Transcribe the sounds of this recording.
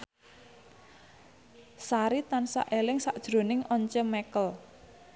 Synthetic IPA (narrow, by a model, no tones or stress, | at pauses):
saɾit̪ansa̰ʔelɪŋsaʔd̥ʒ̥ɾo̤nɪŋʔɔɲt͡ʃəmɛkəl